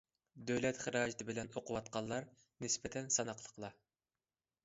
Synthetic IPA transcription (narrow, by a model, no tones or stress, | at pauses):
d̪øwlɛt̪χəɾɑːd͡ʒit̪ʰɨbɪlɛnoqʰʊwɑt̪̚qʰɑlˠːɑɾ | nɪspɛt̪ʰɛnsɑnɑqʰlˠəqlˠɑ